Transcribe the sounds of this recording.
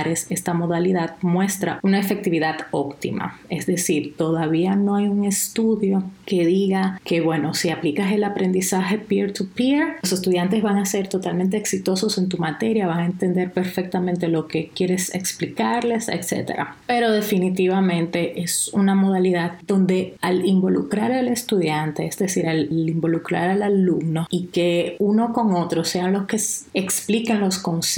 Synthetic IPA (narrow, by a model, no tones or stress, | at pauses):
ɾese̞st̪amo̞ðaliðaðmwe̞st̪ɾa̰unae̞fe̞k̚t̪iβiðaðo̞kt̪ḭma̰e̞zðe̞siɾt̪o̞ðaβiano̞ajuŋe̞st̪uðjo̞ke̞ðiɣake̞βwe̞no̞siaplikase̞lapɾe̞nd̪isaxe̞piɾt̪upiɾose̞st̪uðjant̪̬e̞zβaŋase̞ɾt̪o̞t̪almẽnt̪̬e̞ːksit̪o̞so̞se̞nt̪̬umat̪e̞ɾjaβaŋae̞nt̪e̞nd̪e̞ɾpe̞ɾfe̞k̚t̪amẽnt̪e̞lo̞ke̞kje̞ɾe̞sḛksplikaɾle̞sḛkse̞̰t̪e̞̰ɾa̰pe̞ɾo̞ðe̞finit̪iβamẽ̞nt̪e̞ʔe̞sunamo̞ð̞aliðaðd̪o̞nd̪e̞alimbo̞lukɾaɾale̞st̪uðjant̪e̞ezðe̞siɾalimbo̞lukɾaɾalalumno̞ike̞uno̞ko̞ŋo̞t̪ɾo̞se̞anlo̞ske̞seksplikeŋlo̞sko̞ns